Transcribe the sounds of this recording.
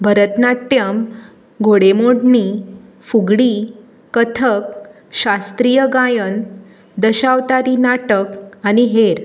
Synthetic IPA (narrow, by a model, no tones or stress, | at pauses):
bʱəɾət̪naʈjəm | ɡʱoɽemoɽɳi | fuɡɽi | kət̪ʰək̚ | ɕast̪ɾijəɡajən | d̪əɕaʋt̪aɾinaʈəkañiɦeɾ